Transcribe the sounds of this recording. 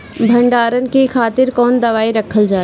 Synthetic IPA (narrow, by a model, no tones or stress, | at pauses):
bʱɐ̃ɳɖaːɾənɪ̆kikʰaːt̪ɪɾkɔːnd̪ɐʋaːiɾɐkʰəld͡ʒaː